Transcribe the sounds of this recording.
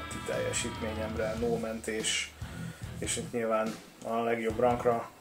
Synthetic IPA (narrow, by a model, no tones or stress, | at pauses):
t̪it̪ɛ̰jːɛ̰ʃiːt̪meːɲɛmrɛnoːmɛnt̪eːʃ | eːʃit̪ɲiːlvaːn | ɒlɛɡjo̞brɒŋkrɒ